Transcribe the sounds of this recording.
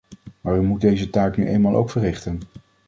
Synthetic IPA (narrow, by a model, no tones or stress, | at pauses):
maːɹʋymut̚dejzətaːknyʔḛjnmaːlˠʔo̰wkfərɪχtən